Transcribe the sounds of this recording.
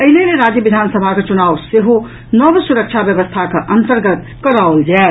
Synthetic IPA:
əɦileleɾad͡ʒjəbid̪ʱansəbʱaket͡ʃunawseɦo | nəbsuɾək̚t͡ʃʰabjəbəst̪ʰakəʔənt̪əɾɡət̪ | kəɾaold͡ʒa

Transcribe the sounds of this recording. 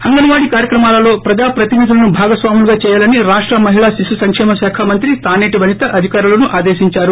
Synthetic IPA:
hɐŋɡɐnuʋaːɽikaːɾjɐkɾɐmaːlɐlo̞ːpɾɐd͡ʒaːpɾɐt̪inid̪ulɐnubʱaːɡɐsʋaːmuluɡaːt͡ʃɛːjaːlɐniɾaːʂʈɾɐmɐɦiɭaːʃisusɐŋkʂɛːmɐʃaːkʰamɐnt̪ɾit̪aːneːʈiʋɐnit̪ɐʔɐd̪ʱikaːɾulɐnuʔaːd̪eːʃiɲt͡ʃaːɾu

